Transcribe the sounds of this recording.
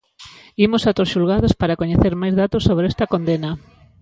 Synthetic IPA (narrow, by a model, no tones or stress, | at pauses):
imosat̪osʃulɣaðospaɾakoɲeθeɾmajzðat̪osːoβɾest̪ɐkond̪enɐ